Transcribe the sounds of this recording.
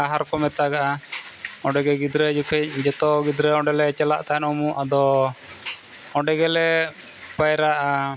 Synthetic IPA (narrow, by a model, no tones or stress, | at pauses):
aɦaɾkɔmɛt̪aɡaʔa | ɔɖɛɡɛɡid̪ɾəd͡ʒukʰɛc̚d͡ʒɛt̪ɔɡid̪ɾəɔ̃ɖɛlɛt͡ʃɛla̰ʔt̪aɛnumuʔad̪ɔ | ɔɖɛɡɛlɛ | bajɾaʔaa